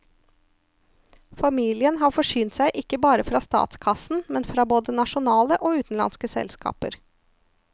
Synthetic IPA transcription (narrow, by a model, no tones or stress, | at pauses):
fɑmiːlɪənɦɑːfɔʂyːnt̪sæɪʔɪkːəbɑːɾəfɾɑːst̪ɑ̰ːt̪skʰɑsn̩mɛnfɾɑːboːd̪ənɑʃʊnɑːləʔoːʉːt̪n̩lɑ̰nskəsɛ̰lskɑ̰ːpə̰ɾ